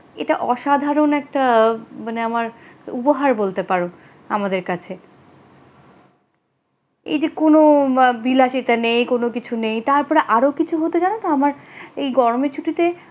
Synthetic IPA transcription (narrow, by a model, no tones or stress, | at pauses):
ḛʈaʔɔʃad̪ʱaɾonɛk̚ʈamaneamaɾupoɦaɾbolt̪epaɾo | amad̪eɾkat͡ɕʰe | ḛjd͡ʑekonobilaʃit̪anejkonokit͡ɕʰunejt̪aɾpɔɾeʔaɾokit͡ɕʰuɦot̪od͡ʑanat̪oamaɾejɡɔɾomet͡ɕʰuʈit̪e